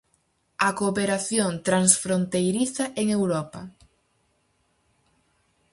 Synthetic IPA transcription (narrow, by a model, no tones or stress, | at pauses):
ɐkopeɾaθjont̪ɾansfɾont̪ejɾiθɐʔeŋewɾɔpɐ